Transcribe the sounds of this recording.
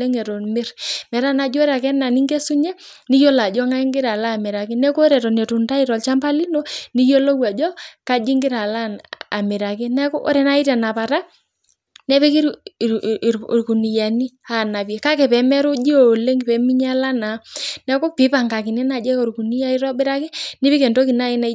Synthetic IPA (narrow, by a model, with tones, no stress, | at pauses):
e˦ŋɛ˨to˨mɪ˦ɾmɛ˨ɾa˦na˨d͡ʒo˦ɾa˨kɛ˦na˨ni˦ŋɡe˦su˦ɲɛ˦ | ni˦jo˦la˨d͡ʒɔ˦ŋa˦i˦ŋɡɪ˦ɾa˨laː˦˨mɪ˨ɾa˨ki˦nɛ˦ko˦ɾɛ˨tɔ˨nɛ˨tu˨nta˦i˦ɾɔ˨lt͡ʃa˦mpa˦li˦no˦ni˦jo˦lo˦wa˨d͡ʒɔ˦ka˦d͡ʒi˦ŋɡɪ˦ɾa˨la˦a˨mɪ˨ɾa˨ki˦nɛ˦kɔ˦ʔo̰˦ɾɛ˨na˦i˦tɛ˨na˨pa˨ta˦ | nɛ˦pi˦ki˦ɾ | ɾku˨ni˨ja˨ni˦a˦˨na˨pjɛ˨ka˦kɛ˨pɛ˨˦mɛ˦ɾo˦d͡ʒi˦o˨le˦ŋɡpɛ˨mi˦ɲa˦la˦na˨˦nɛ˨ko˦pi˨˦pa˨ŋɡa˨ki˨nɛ˦na˨d͡ʒɛ˦ko˨ɾku˨ni˦ja˦i˦ɾɔ˦bɪ˦ɾa˦ki˦ni˦pi˦ke˨nto˦ki˨na˦i˦na˦